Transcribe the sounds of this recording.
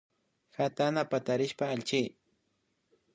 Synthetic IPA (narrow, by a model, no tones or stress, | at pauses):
xat̪anapat̪aɾɪʃpaːlt͡ʃij